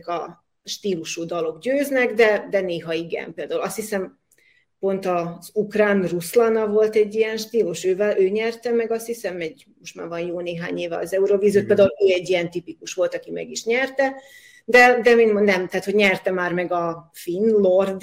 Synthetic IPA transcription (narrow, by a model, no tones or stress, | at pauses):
kɒ | ʃt̪iːluʃud̪ɒlo̞ɡɟøːznɛɡd̪ɛd̪ɛneːɦɒiɡɛ̰mpeːld̪aːulɒst̪hisɛm | po̞nt̪ɒzukraːnruslɒnɒvo̞lt̪ɛɟːijɛnʃt̪iːluʃøːvɛlʔøːɲɛrt̪ɛmɛɡɒst̪hisɛmɛɟ | mo̞ʃt̪ma̰ːrvɒnjoːneːɦa̰ːɲeːvɛɒ̰zɛuɾoviːziot̪̚peːld̪aːuløːɛɟːijɛnt̪ipikuʃʋo̞lt̪ɒkimɛ̰ɡiʃɲɛrt̪ɛ | d̪ɛd̪ɛminmonɛmt̪aːt̪hoɟɲɛrt̪ɛmaːrmɛɡɒfinlord̪